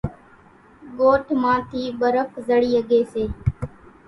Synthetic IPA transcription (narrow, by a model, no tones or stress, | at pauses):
ɠoːʈʰmãːt̪ʰiːɓəɾəkzəɽiːəɠeːseː